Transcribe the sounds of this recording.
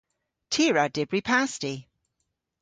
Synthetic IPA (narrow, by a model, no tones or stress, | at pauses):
tʰiɹad̥ɪbɹipʰasti